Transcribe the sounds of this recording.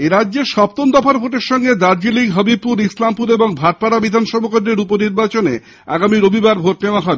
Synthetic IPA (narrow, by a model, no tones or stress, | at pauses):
eɾadːd͡ʑeʃɔp̚t̪ond̪ɔfʰaɾbʱoʈeɾʃɔŋɡed̪aɾd͡ʑiliɡɦʌbib̚puɾislampuɾeboŋbʱaʈ̚paɾabid̪ʱanʃɔbokodɾeɾuponiɾbat͡ɕone | a̰ɡamiɾobʱibaɾbʱoʈneoaɦɔebe